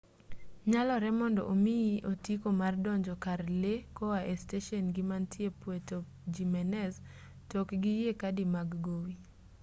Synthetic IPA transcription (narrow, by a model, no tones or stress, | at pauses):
ɲalɔɾɛmɔndɔ̰ʔomiiʔotikomardɔɲd͡ʒɔkarlekɔaʔesteʃɔnɡɪmantjepwetɔp̚d͡ʒimɛnɛz | tɔkɡɪjekadimaɡɡowi